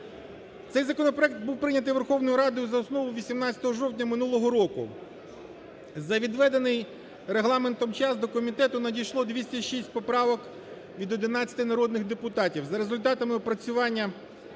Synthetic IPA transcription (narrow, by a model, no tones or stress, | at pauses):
t̪sɛjzɐkɔnɔpɾɔɛk̚t̪̚buwpɾɪnʲɐt̪ɪjʋe̞rxɔwnɔjʊɾɑd̪ʊjʊzɐɔsnɔʋʊʋʲisʲimnɑt͡sʲɐt̪ɔɦɔʒɔwtʲnʲɐmɪnulˠɔɦɔɾɔkʊ̰ | zɐʋʲid̪ʋɛd̪enɪj | ɾeɦlˠɑment̪ɔmt͡ʃɑsd̪ɔkɔmʲit̪ɛt̪ʊnɐdʲijʃlˠɔd̪ʲʋʲisʲtʲɐʃisʲt̚ʲpɔpɾɑʋɔk | ʋʲid̪ɔd̪ɪnɑt͡sʲɐ̥t̪ɪnɐɾɔd̪nɪɣd̪epʊt̪ɑtʲiwzɐɾezʊlʲt̪ɑt̪ɐmɪpɾɐt͡sʲʊʋɑnʲːɐ